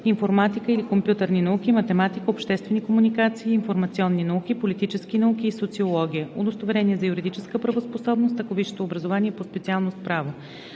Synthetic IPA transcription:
infoɾmat̪ikəilikompjut̪əɾninɐuk̟ʲimɐt̪ɛmat̪ikəopʃt̪ɛst̪vɛnikomunikat̪siːnfoɾmɐt̪siɔnːinɐukʲipolit̪it͡ʃɛskinɐuk̟ʲiːsot̪siolˠɔɡ̟ʲijəod̪ost̪ovɛɾɛniɛzɐjuɾid̪it͡ʃɛskəpɾəvosposɔbnost̪əkoviʃo̥t̪oːbɾəzovaniɛpospɛt̪sialˠnospɾavo

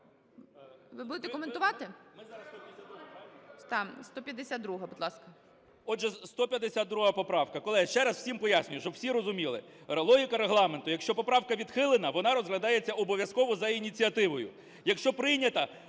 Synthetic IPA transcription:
ʋɪbud̪ɪt̪ɛkɔment̪ʊʋɑt̪ɪmɪzɑɾɐst̪ɔpʲaut̪ɑst̪ɔpʲjɐd̪esʲad̪̚d̪ɾuɦɐbʊd̪lˠɑskɐ | ɔʒɛst̪ɔpʲjɐd̪esʲad̪d̪ːɾuɦɐpɔpɾɑwkɐkɔlˠɪjʃt͡ʃɛɾɐsw̥sʲimpɔjasʲnʲʊjʊʃt͡ʃɔwsʲiɾɔzʊmʲilˠɪɾelˠɔɦʲɪkɐɾeɦlˠɑment̪ʊjɐkʃt͡ʃɔpɔpɾɑwkɐʋʲid̪xɪlˠenɐʋɔnɑɾɔzɦlʲɐd̪ɑjet͡sʲːɐʔɔbɔʋʲjɐskɔʋɔzɐinʲit͡sʲiɐt̪ɪʋɔjʊ̰ | jɐkʃt͡ʃɔpɾɪjnʲɐt̪ɐ

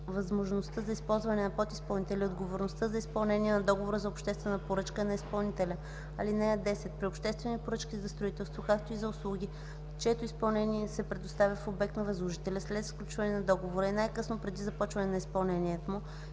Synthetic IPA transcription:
vɐzmoʒnost̪əzɐispɔlˠzvɐnɛnɐpot̪ispɐlˠnit̪ɛlʲiod̪ɡovoɾnost̪əzɐispɐlˠnɛniɛnɐd̪ɔɡovoɾəzɐopʃt̪ɛst̪vɛnəpoɾɤt͡ʃkənɐispɐlˠnit̪ɛlʲə | ɐlinɛd̪ɛsɛt̪pɾiopʃt̪ɛst̪vɛnipoɾɤt͡ʃkʲizɐst̪ɾʊit̪ɛlˠst̪vokak̚t̪oizɐʊslˠuɡʲi | t͡ʃɛt̪ʊispɐlˠnɛniɛsɛpɾɛd̪ost̪avʲəfobɛk̚t̪nɐvɐzlˠoʒit̪ɛlʲɐslɛt̪sklʲut͡ʃvɐnɛnɐd̪ɔɡovoɾəinajkɤsnopɾɛd̪izɐpɔt͡ʃvɐnɛnɐispɐlˠnɛniɛt̪omu

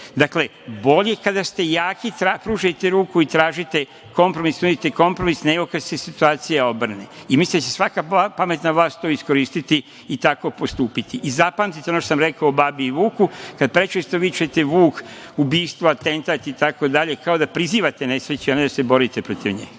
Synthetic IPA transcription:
d̪akle̞ | bo̞ʎe̞kad̪ast̪e̞jaːkit̪ɾapɾuːʒet̪e̞ɾuːkuit̪ɾaːʒit̪e̞ | ko̞mpɾo̞misuit̪eko̞mpɾo̞misneɡo̞kad̪se̞sit̪uaːt̪sijao̞br̩neimislinat͡ɕesʋakaapame̞t̪naʋlˠaːst̪oːisko̞ɾiːst̪it̪i | it̪ako̞po̞st̪uːpit̪iʔizapaːmt̪it̪eonoʃt̪osamɾe̞kaoːbabiːʋuːkukad̪pɾe̞t͡ʃest̪oʋit͡ʃet̪eʋuːk | ubiːst̪ʋoat̪e̞nt̪at̪it̪ako̞d̪aʎe̞kaod̪apɾiziːʋat̪ene̞sɾet͡ɕuaned̪asebo̞ɾit̪epɾo̞t̪iʋɲḛːɡ

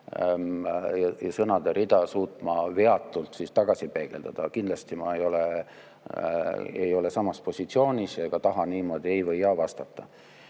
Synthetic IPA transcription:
jɑjɑsɤnɑd̪̥eɾid̪̥ɑsuːt̪ˑmɑveɑt̪ːˑult̪sist̪ɑɡ̥ɑsipe̞ɡ̥e̞̰ld̪̥ɑd̪̥ɑkind̪lɑst̪imɑejo̞le | ḛjo̞le̞sɑmɑspo̞sʲit̪sio̞ːnʲiseɡ̥ɑt̪ɑɦɑniːmo̞ːd̪ie̞jvɤjːɑːvɑst̪ɑt̪ːˑɑ

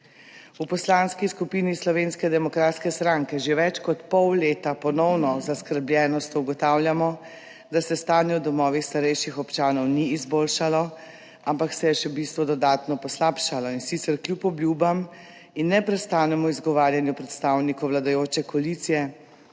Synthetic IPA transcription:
upɔslanskiskupiːnislɔʋenskɛd̪ɛmɔkɾaːt̪skɛst̪ɾaŋkɛʒeʋɛt͡ʃkɔt̪pɔwleːt̪apɔnɔwnɔzaskəɾblʲjɛːnɔst̪ɔuɡɔt̪awlʲjamɔ | d̪asɛst̪aːnjɛwd̪ɔmɔːʋixst̪aɾɛjʃixɔpt͡ʃaːnɔwniːzboːlʃalɔ | ampaksɛjɛʃɛbist̪ʋɔd̪ɔd̪aːt̪nɔpɔslapʃalɔinsit̪sɛɾkljupɔbljubam | inːɛpɾɛst̪aːnɛmɔizɡɔʋaːɾjanjupɾɛt̪st̪awnikɔwlad̪ajoːt͡ʃɛkɔalit̪sijɛ

